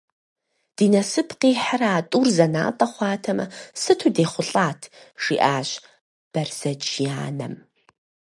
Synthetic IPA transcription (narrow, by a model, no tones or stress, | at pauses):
d̥iːnɐsɨpʰqiːħaɾaːtʼuːrzɐna̰ːtʼɐχʷɑːtʰɐmɐ̰sɨtʰudeːχʷʊɬʼaːtʰʒ̥iːʔaːʑ | b̥ɐrz̥ɐd͡ʒijaːnɐ̰m